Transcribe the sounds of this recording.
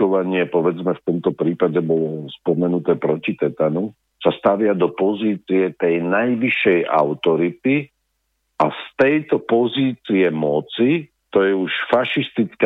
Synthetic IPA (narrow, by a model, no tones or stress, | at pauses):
ɔʋaɲɪɛpɔʋɛd͡zmɛft̪ɔmt̪ɔpɾiːpaɟɛbɔlɔspɔmɛnut̪ɛːpɾɔcit̪ɛt̪anu | sast̪aʋɪad̪ɔpɔziːt͡siɛt̪ɛjnajʋiʃːɛjʔa̰ʊt̪ɔɾit̪i | ast̪ɛjt̪ɔpɔziːt͡siɛmɔt͡si | t̪ɔjɛuʃfaʃist̪it͡sk